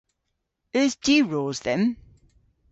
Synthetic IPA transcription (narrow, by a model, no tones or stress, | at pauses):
əzdiɹɔːzðə̃m